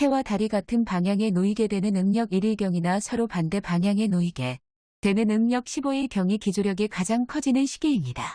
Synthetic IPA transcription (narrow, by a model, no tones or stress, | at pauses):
he̞wataɾiɡatʰɯnpaŋjaŋe̞noiɡe̞dwenɯnɯŋɲʌɡiɾiɭɡjʌŋinasʰʌɾopande̞paŋjaŋe̞noiɡe̞ | twe̞nɯnɯŋɲʌk̚ɕʰiboiɭkjʌŋikid͡ʑoɾjʌɡikad͡ʑaŋkʰʌd͡ʑinɯnɕʰi̥ɡ̥iːɲida